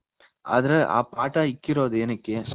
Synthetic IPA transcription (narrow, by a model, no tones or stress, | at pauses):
ʔɐ̰ðɯɐʔa̰ːpaːʈːaːɪkːɪɾoːðɯɛnɐkːɯs